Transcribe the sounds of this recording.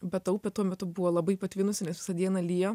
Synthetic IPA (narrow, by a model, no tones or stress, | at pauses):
bʲɛt̪ɐʊpʲɛt̪uɔmʲɛt̪ʊbʊʋoːlˠɐbɐɪpɐt̪ʲʋʲɪnʊsʲɪnʲɛsʋʲɪ̥sɐd̪ʲiɛnɐlʲijo